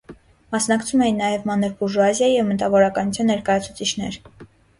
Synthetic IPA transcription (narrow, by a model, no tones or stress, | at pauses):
mɑsnɑkt͡sʰumɛjinːɑjɛvmɑnɛɾbuɾʒuɑzjɑjijɛvmət̪ɑvɔɾɑkɑnut͡sʰjɑnːɛɾkɑjɑt͡sʰut͡sʰit͡ʃʰnɛ̰ɾ